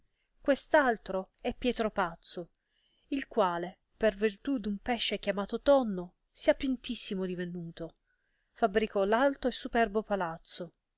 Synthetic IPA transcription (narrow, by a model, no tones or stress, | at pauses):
kwest̪alt̪ɾo | ɛpːjɛːt̪ɾopat̪sːo | ilkwaːle | pervirt̪ud̪umpɛʃːekjamaːt̪ot̪ɔnːo | siapint̪isːimod̪ivenuːt̪o | fabɾikɔlalt̪oesːupɛrbopalat̪sːo